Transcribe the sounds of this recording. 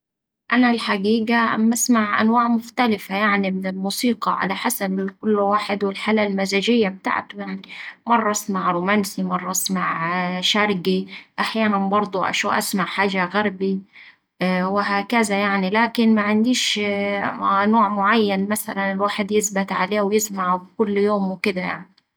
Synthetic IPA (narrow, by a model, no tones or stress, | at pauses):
ʔanalħaɡiːɡaʔamːʔasmaʕʔa̰nwaːʕmʊxt̪alɪfajaʕnimɪnɪlmuːsiːqɑ̰ʕa̰laħasabɪkʊlːwaːħɪd̪wɪlħaːlalmazaʒɪjːab̚t̪a̰ːʕt̪jaʕnimɑrˤːɑsmaʕɾuːmansimɑrˤːɑsmaʕʃɑɾˤɡiʔaħjaːnanbɑɾˤd̪ˤuʔa̰ʃuʔa̰smaʕħaːʒaɣaɾˤbi | wɪɦaːkazajaʕnilaːkɪnmaʕɪnd̪iːʃ | noːʕmʊʕajːanmasalanɪlwaːħɪd̪jɪsbɪt̪ʕaleːwjɪsmaʕbkʊlːjoːmwɪkɪd̪aja̰ʕni